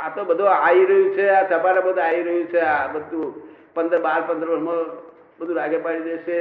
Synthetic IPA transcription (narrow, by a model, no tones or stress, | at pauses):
at̪obəd̪ʱoaiɾəɦũt͡ʃʰeasəpaɾabəd̪ʱoaiɾəɦũt͡ʃʰeabəd̪ʱũ | pənd̪əɾbaɾpənd̪ɾʋənma | bəd̪ʱũɾaɡepaɽidet͡ʃʰe